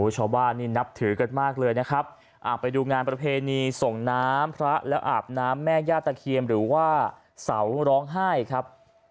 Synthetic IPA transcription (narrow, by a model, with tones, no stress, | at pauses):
u˦t͡ɕʰa˧wbaː˥˩nːiː˥˩na˦˥p̚t̪ʰɯː˩˦ka˧nmaː˥˩k̚lɤː˧jna˦˥kʰɾa˦˥p̚ | ʔaː˨˩pːa˧jduː˧ŋaː˧npɾa˧pʰeː˧niː˧so˨˩ŋnaː˦˥mpʰɾa˦˥lɛː˦˥wʔa̰ː˨˩p̚naː˦˥mːɛː˥˩jaː˥˩t̪ːa˧kʰi˧əmɾɯː˩˦waː˥˩ | sa˩˦wɾɔː˦˥ŋɦaː˥˩jkʰɾa˦˥p̚